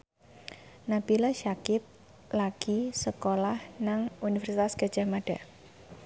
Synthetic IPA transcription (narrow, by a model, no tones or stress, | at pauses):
nabiləʃakɪt̪̚ | laɡ̥isəkolahnaŋunifɛrsit̪asɡ̥ḁd͡ʒ̥ahmaɖ̥a